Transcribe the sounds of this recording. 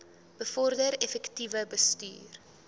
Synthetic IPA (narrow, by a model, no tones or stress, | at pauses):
b̥əfɔrdəɾɛfɛktivəbəsty̰ːr